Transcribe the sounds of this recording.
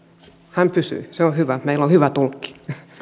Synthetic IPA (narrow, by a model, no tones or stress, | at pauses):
hæmpysy̰ːseohyʋæmeilːohyʋæt̪ulkːi̥